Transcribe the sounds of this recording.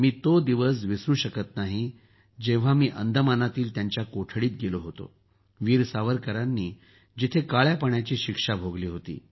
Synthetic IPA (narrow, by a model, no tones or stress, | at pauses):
miːt̪od̪iʋəs̬ʋisɾuːɕəkət̪naɦi | d͡ʑẽʋ̤amiːʔənd̪ʱəmanat̪iːlt̪jaɲt͡ɕjakoʈʰɽiːt̪̚ɡeloɦot̪o̰ | ʋiːɾsaʋəɾkəɾanːiː | d͡ʑit̪ʰekaɭjapəɳjat͡ɕiːɕikʂabʱoɡliːɦot̪ḭː